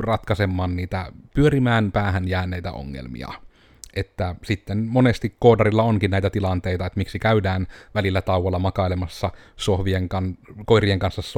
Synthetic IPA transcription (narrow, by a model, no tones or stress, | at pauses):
rɑt̪kɑsemːɑːnniːt̪æpyøɾimæːnpæːhænjæːnːˑeˑijt̪æ̰o̰ŋːḛlmḭɑ̰ | ʔet̪ːæsit̪ːenmonest̪ikːoːdɑrilːɑoŋkinæˑit̪æt̪ilɑnt̪eˑit̪ɑet̪miksikæydæːnʋælilːæt̪ɑˑuʋˑɑlːɑmɑkɑilemɑsːɑsohʋieŋkɑnkoirieŋkɑnsːɑss